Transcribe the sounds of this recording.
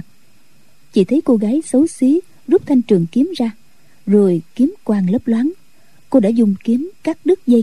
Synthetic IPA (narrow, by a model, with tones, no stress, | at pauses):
t͡ɕḭ˧˩t̪ʰə˨˦jko˧ɣaː˨˦jsə˨˦wsi˨˦ | zu˦˥p̚t̪ʰa˧jŋ̟t͡ɕɨ˨˩əŋki˨˦əmzaː˧ | zo˨˩jki˨˦əmkwaː˨˩ŋlə˦˥p̚lwaː˨˦n | ko˧ɗa̰ː˧˥˩zʊ˨˩ŋ͡mki˨˦əmkaː˦˥k̚ɗɨ˦˥k̚zə˧